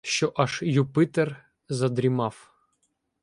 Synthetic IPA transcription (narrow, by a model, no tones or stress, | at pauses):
ɕːɔʔɑʃjupɨt̪ɛr | zɐd̪ɾʲimɑf